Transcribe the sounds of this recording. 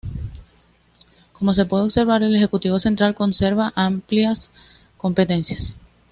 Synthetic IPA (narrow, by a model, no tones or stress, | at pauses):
ko̞mo̞s̬e̞pwe̞ðeβse̞ɾβaɾe̞le̞xe̞kut̪iβo̞se̞nt̪ɾalko̞nse̞ɾβaʔampljas | ko̞mpe̞t̪e̞nsjas